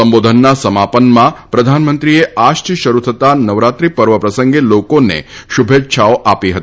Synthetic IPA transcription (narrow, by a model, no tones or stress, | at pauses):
əmbod̪ʱənːasəmapənmãpɾəd̪ʱanmənt̪ɾieaʃʈiʃəɾut̪ʰət̪anəʋɾat̪ɾipəɾʋəpɾəsəŋɡelokonḛʃubʱet̪ːʃʰaoʔapiɦə̰t̪i